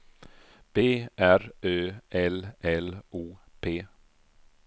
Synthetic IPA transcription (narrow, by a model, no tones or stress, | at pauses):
b̥eːʔæɾøːʔɛlʔɛluːpʰeː